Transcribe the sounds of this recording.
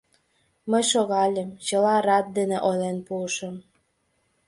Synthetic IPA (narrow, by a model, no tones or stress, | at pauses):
məjʃoɣɑlʲemt͡ɕəlɑrɑt̪̚d̪eneʔojlenpuəʃəm